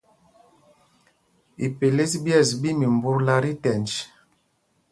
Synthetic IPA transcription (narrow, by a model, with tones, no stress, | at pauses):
ḭ˨pe˨le˦sbjɛ˦˨sbi˦mi˨m˨bu˦ɾla˦ɾi˦tɛ˨nd͡ʒ